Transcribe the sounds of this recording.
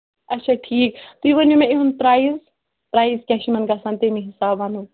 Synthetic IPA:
ɐtːʃʰaʈʰiːkt̪uiʋɐnʲjumẽeɦunpɾaːiz | pɾaːizkʲɛ̃ːʃimɐnɡaːsãnt̪emĩɦɪsaːbaːnu

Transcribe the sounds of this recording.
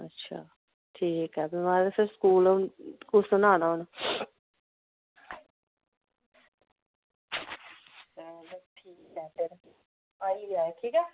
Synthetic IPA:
ə̰tːʃʰa̰ː | ʈʰiːkɦɛːbɪmaːɾesɪɾskuːlonkosʊnaːnaːɦʊn | sədʈʰiːkɛːpʰɪɾ | aːiːɾaːʈʰiːkɛː

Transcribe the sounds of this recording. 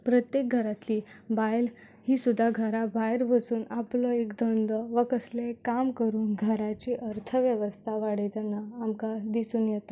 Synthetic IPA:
pɾət̪jek̚ɡʱəɾat̪liːbajl | hiːsud̪ʱːaɡʱəɾabajɾbʱət͡suːnaplɔekd̪ʱɔnd̪ɔʋəkəslekamkəɾuːnɡʱəɾat͡ɕiːʔəɾt̪ʰəʋjəʋəst̪ʰaʋaɽet̪anːaːmkad̪isuːnjɛt̪a

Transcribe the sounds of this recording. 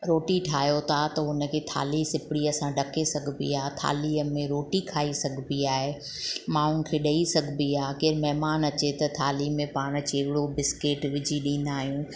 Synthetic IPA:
ɾoːʈiʈʰaːjot̪ʰat̪ɐʊnə̆kʰeːt̪ʰa̰ːlisɪpɪɽiɐsãɖɐkʰesɐɡʱbḭaːt̪ʰa̰ːliəmẽɾoːʈikʰaːisɐɡʱbiaːɦe | mãʊn̆kʰeːɗɐisɐɡʱbiaːkeːɾmɛɦmaːnɐt͡ɕet̪ɐt̪ʰaːlimẽpaːɽ̃t͡ɕeːɦɪɽobɪskeːʈʋɪd͡ʑʱiɗĩːn̆d̪aːɦijũː

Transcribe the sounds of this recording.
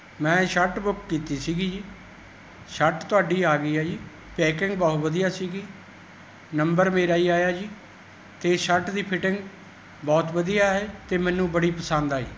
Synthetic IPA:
mɛ̃ːʃəɾʈbʊkːiːt̪iːsiːɡiːd͡ʒiː | ʃəʈt̪ʊaːɖiːaːɡiːaːiː | pɛːkɪŋɡbɔːt̪ʋəd̪ijaːsiːɡiː | nəmbəɾmeːɾaːiːaːjaːd͡ʒiː | t̪eːʃəʈd̪iːpʰɪʈɪ̃ŋɡ | bɔːt̪ʋəd̪ijaːɦɛːt̪eːmɛ̃ːnũːbəɽiːpəsənd̪aːḭː

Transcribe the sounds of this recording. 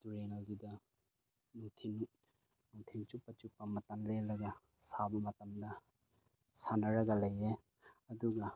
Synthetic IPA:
duɾenɐldidɐ | nutʰinu | nutʰint͡ʃupːɐt͡ʃupːɐmɐtɐnlelɐɡɐ | sabɐmɐtɐmdɐ | sanɐɾɐɡɐlɐje | ɐduɡɐ

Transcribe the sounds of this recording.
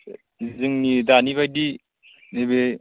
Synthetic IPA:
izɯŋnidaniβajdi | nebe

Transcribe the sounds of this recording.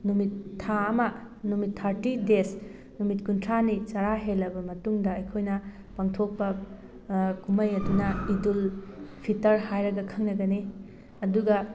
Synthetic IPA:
numitʰːaɐmɐ | numitʰːaɾtides | numitkuntʰɾanit͡ʃɐɾaɦelːɐbɐmɐtuŋdɐɐjkʰojnɐ | paŋtʰok̚pɐ | kumɐjɐdunɐidulpʰitɐɾɦajɾɐɡɐkʰɐŋnɐɡɐni | ɐduɡɐ

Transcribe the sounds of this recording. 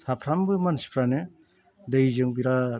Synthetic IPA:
sapʰɾambɯmansi̥pʰɾane | dɯjzɯŋbiɾa

